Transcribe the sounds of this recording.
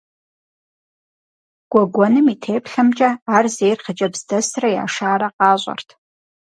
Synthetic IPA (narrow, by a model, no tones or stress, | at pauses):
ɡ̥ʷɔɡʷɔnɨmitʰeːpɬɐmt͡ʃʼɐaːrzejrχət͡ʃʼɐbz̥dɐsrɐja̰ːʂaːɾɐqɑːɕʷʼɐ̰rtʰ